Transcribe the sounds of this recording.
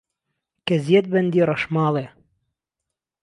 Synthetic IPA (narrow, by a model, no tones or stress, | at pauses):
kɛzjɛt̪̚bɛnd̪iːɾɐʃmɑːle